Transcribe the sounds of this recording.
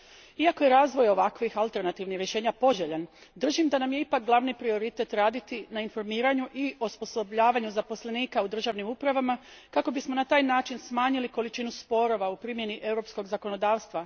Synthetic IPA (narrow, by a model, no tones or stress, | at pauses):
iako̞jeɾaːzʋo̞jo̞ʋakʋixalˠt̪e̞ɾnat̪iʋnixɾje̞ʃeːɲapo̞ʒeʎan | d̪r̩ʒimd̪anamjeipak̚ɡlˠaʋnipɾio̞ɾit̪e̞t̪ɾaːd̪it̪inainfo̞ɾmiːɾaɲuʔiospo̞sobʎaːʋaɲuzapo̞sle̞niːkaud̪r̩ʒaʋnimupɾaʋama | kako̞bismonat̪aːjnaːt͡ʃinsmaːɲiliko̞lit͡ʃinuspo̞ɾo̞ʋaupɾimje̞niʔe̞wɾo̞psko̞ɡzako̞nod̪aːʋst̪ʋa